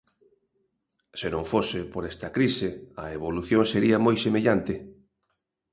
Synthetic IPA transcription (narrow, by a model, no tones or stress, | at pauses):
senõŋfosɪpoɾɛst̪ɐkɾisɪɐeβoluθjoŋseɾiɐmojsemeʎant̪ɪ